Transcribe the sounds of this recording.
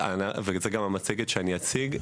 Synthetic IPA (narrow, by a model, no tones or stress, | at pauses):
a̰navekzeɡamamat͡seɡetʃeaniat͡siɡ